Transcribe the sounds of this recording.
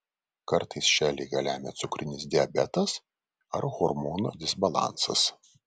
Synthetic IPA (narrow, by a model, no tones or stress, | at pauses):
kɐɾt̪ɐɪsʃʲæːlʲɪɪɡɐlʲæːmʲɛ̰t̪sʊkɾʲɪnʲɪsd̪ʲɪɐbʲɛt̪ɐs | ɐɾɣɔɾmoːno̰ːd̪ʲɪsbɐlˠɑ̰ˑnsɐ̰s